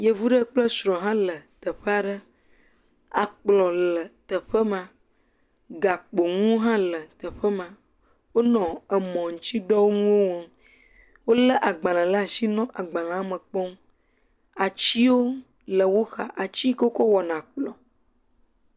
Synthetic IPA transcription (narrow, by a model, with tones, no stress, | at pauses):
je˦vu˦ɖə˦k͡plə˦sɾɔ̃˨ɦã˦lə˨t̪ə˨ɸə˦a˨ɖə˦ | a˨k͡plɔ˨lə˨t̪ə˨ɸə˦mã˨ | ɡa˨k͡po˨ŋũ˦ɦã˦lə˨t̪ə˨ɸə˦mã˨ | wo˦nɔ̃˨ə˨mɔ̃˨ŋu˨t͡ɕi˦d̪ɔ˦wo˦ŋũ˦wo˦wɔ˦ | wo˦lə˦ʔa˨ɡ͡bã˨lã˨lə˦a˨si˦nɔ̃˦ʔa˨ɡ͡bã˨lã˨a˦mə˨k͡pɔ˦m | a˨t͡ɕi˦wo˦ | lə˨wo˦xa̰˨ʔa˨t͡ɕi˦kə˦wo˦ko˦wɔ˨nã˨k͡plɔ̰̃˨